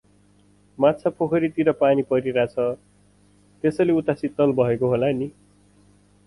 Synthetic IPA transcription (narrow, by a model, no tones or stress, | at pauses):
matt͡sʰapʰokʰʌɾit̪iɾʌpanipʌɾiɾat͡sʰʌ | t̪esʌleut̪asit̪ːʌlbʱʌekoɦolani